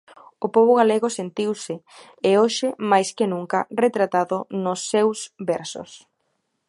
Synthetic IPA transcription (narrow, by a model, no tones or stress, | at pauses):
ʊpɔβ̞ʊɣaleɣʊsent̪iwsɪ | eoʃɪmajskɪnuŋkɐret̪ɾat̪aðʊnʊsːewsbɛɾsʊ̰s